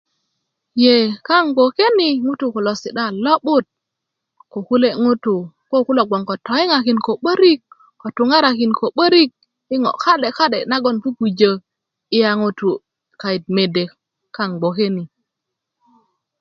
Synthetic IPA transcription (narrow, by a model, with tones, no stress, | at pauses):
je˨ka˦ŋɡ͡bo˨ke˦ni˨ŋu˦tu˨ko˨lo˨si˨ɗa˦˨lo˦ɓu˦t̚ | ko˨ku˦le˦ŋu˦tu˨ | ko˦ku˦lo˨ɡ͡bʷo˨ŋko˨to˨˦i˦ŋa˨ki˨nko˨ɓə˦ɾi˦kː | o˨tu˨ŋa˦ɾa˨ki˨nko˨ɓə˦ɾi˦k̚ | i˦ŋo̰˨ka˦ɗe˨ka˦ɗe˨na˦ɡo˦˨nku˦ku˨d͡ʒə˨ | i˦ja˦ŋu˦tu˨ | ka˨i˨t̚me˨de˨ | ka˦ŋɡ͡bo˨ke˦ni˨